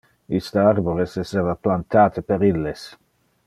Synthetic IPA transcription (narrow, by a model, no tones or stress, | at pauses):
ist̪əarboɾeseseːvaplant̪aːt̪ʰəpeɾilːes